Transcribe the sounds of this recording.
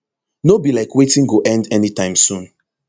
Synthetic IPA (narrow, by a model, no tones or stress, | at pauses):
nobilaɪkwetĩnɡoʔɛ̃ndɛnitãɪ̃msũn